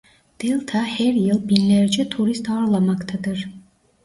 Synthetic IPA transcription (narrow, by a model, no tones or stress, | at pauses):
d̪̥elʲˠt̪ʰahæɾjɯlˠbinlʲæɾd͡ʒɛt̪ʰuɾist̪aːɾlˠamakt̪ʰad̪ɯɾ̥